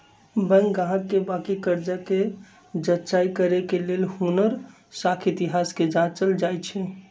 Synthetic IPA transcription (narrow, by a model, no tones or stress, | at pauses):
bə̃ŋɡɡãɦət̪̚kebakikəɾd͡ʒake | d͡ʒətːt͡ʃaikəɾekelelhunəɾ | sakʰit̪iɦasked͡ʒat͡ʃəld͡ʒajt͡ʃʰɛ